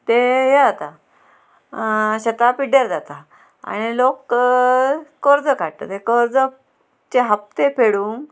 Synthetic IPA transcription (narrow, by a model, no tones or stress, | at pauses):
t̪eɦeat̪a | ɕet̪apiɖeɾd͡zat̪a | a̰ɽ̃ilok | əɾd͡zəkaʈt̪ə̰t̪ekəɾd͡zə | t͡ɕeɦap̚t̪epʰeɽuŋ